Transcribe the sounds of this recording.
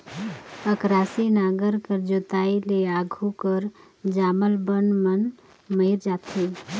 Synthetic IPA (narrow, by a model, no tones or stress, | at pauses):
əkɾaːsinaːɡəɾkəɾd͡ʒot̪aileaɡʱukəɾ | d͡ʒaːməlbənmən | məɪɾd͡ʒaːt̪ʰi